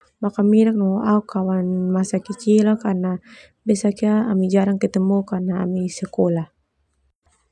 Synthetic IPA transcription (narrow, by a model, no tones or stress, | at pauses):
makamiɾak̚nɔoʔaukʰːawanmasakit͡ʃilakarna | bɛsakiaːmid͡ʒaɾaŋkət̪əmukarna̰ːmisəkolah